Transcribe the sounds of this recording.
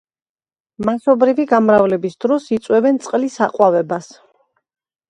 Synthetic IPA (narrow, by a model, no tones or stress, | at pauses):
masɔbɾiviɡamɾavlɛbisd̪ɾɔsit̪sʼwɛbɛnt̪sʼqʼlisaqʼwavɛbas